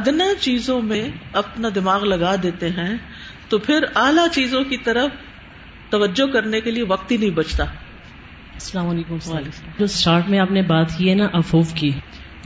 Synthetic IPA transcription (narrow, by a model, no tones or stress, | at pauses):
ɐd̪nat͡ʃiːzõmẽɐpnad̪ɪmaːɣlɐɡaːd̪eːt̪eɦɛ̃ | t̪opʰɪɾaːlat͡ʃiːzõkit̪ɐɾəf | t̪ɐʋəd͡ʒːokɐɾnekelieʋɐq̚t̪ɦinɐɦĩbɐt͡ʃt̪aː | ɐsɐlaːmaːleːkʊmsaled͡ʒoːsʈaːɾʈmẽaːpnẽbaːt̪kiɦɛnaʔɐfoːfki